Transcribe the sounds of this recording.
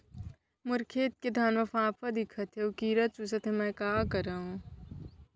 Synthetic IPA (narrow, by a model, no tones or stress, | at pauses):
mʊɾkʰeːt̪̚ked̪ʱaːnmɐfãːpʰɐd̪ɪkʰɐt̪ɦeukiːɾɐt͡ʃusɐt̪emɛ̃kaːkɐɾaɦũ